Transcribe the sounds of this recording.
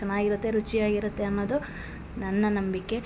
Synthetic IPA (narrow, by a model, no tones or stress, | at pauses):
ɐnaːɡiɾut̪ːe̞ɾut͡ʃijaːɡiɾut̪ːe̞ɐnːoːd̪u | nɐnːɐnɐmbikːe̞